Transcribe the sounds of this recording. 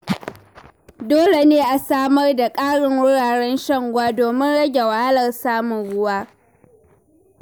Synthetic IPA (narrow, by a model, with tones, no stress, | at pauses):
doː˦le˨neː˦ʔa˨saː˦mɐ˦rda˨kʼaː˦ɽɪ˨ŋwʊ˦ɽaː˨ɽɛ˦nʃɐ˦ŋɡʷwaː˦doː˨mɪ˦nɽɐ˦ɡʲe˨wa˨ha˦lɐ˨rsaː˦mʊ˨ŋɽʊ˦waː˦